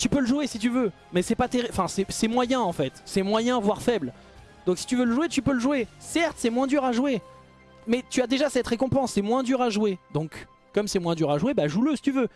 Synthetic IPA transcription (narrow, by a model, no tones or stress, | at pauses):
t̪ypøləʒwesit̪yvø | mɛsɛpat̪eʁiɑ̃fɛ̃sɛsɛmwajɛ̃ɑ̃fɛt̪sɛmwajɛ̃vwaʁfɛbl | d̪̥ɔ̃ksi̥t̪yvøləʒuet̪ypøləʒwesɛʁt̪sɛmwɛ̃d̪yʁaʒuwe | mɛt̪yad̪eʒasɛt̪ʁekɔ̃pɑ̃sːɛmwɛ̃d̪yʁaʒwed̪ɔ̃kː | ɔmsɛmwɛ̃d̪yʁaʒwebaʒuləsi̥t̪yvø